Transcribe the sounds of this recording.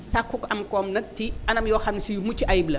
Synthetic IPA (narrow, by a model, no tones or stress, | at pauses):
sakːukʔɐmkɔmnɐk̚tiɐnɐmjɔːxɐmnisijumut͡ʃːiʔɐjiblɐ